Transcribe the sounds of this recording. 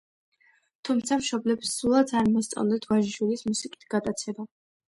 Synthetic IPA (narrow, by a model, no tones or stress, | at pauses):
t̪ʰumt̪sʰamʃɔblɛpsulˠat̪sʰaɾmɔst̪sʼa̰nd̪ɛt̪ʰvaʒd͡ʒulismusikʼi̥t̪ʰɡ̥ad̪at̪sʰɛba